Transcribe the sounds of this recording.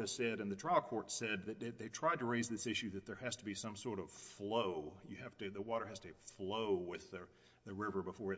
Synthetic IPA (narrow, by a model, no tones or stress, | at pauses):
ɨz̥sɛɾɨ̃nðɨtʰɹ̥aɪlˠkʰɔɹtsɛd̪̚ðɨt̪̚ðɨt̪̚ðeɪtʰɹ̥aɪd̚tɨɹeɪzðɪsɪʃʉðɨt̪̚ðə˞ɨz̥tʰəbisʌ̃msɔɹɾʌv̥floʊjɨhæftɨðəwɔɾə˞hæz̥tʰɨfloʊwɪðɨ | ðɨɹɪvə˞bəfɔɹɨ